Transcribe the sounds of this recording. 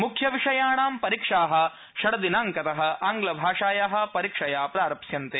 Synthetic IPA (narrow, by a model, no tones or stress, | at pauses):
mukʰjɐʋiʂɐjaːɳaːmpɐɾikʂaːɦɐ̆ | ʃɐɽɐd̪inaːŋkɐt̪ɐɦɐ̆aːŋɡlɐbʱaːʂaːjaːɦɐ̆pɐɾikʂɐjaːpɾaːɾɐpʃjɐnt̪e